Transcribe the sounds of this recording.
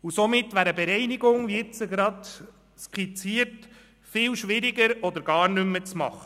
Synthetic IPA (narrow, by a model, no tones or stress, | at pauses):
usomɪtːʋæːɾəbeɾɛɪniɡʊŋʋiɪt͡səɡɾɑd̪ | skit͡siəɾt | fɪlʃʋɪɾiɡəɾɔd̪əɾɡɑːɾnʏmːət͡smɑ̰χə